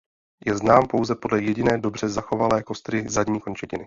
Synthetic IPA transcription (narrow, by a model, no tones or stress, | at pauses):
jɛznaːmpo̞wzɛpo̞dlɛjɛɟɪnɛːdo̞br̝̥ɛzaxo̞valɛːko̞st̪ɾɪzadɲiːko̞nt͡ʃɛcɪnɪ